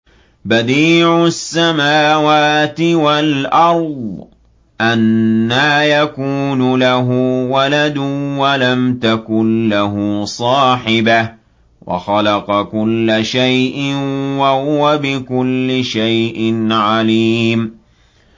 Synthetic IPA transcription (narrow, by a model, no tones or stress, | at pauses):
bad̪iːʕʊsːamaːwaːt̪ɪwalʔɑɾˤd̪ˤ | ʔanːaːjakuːnʊlaɦʊwalad̪ʊwalamt̪akʊnlaɦʊsˤɑːħɪbah | wɑ̰xɑlɑqɑkʊlːaʃajʔɪnwahʊwabɪkʊlːɪʃajʔɪnʕaliːm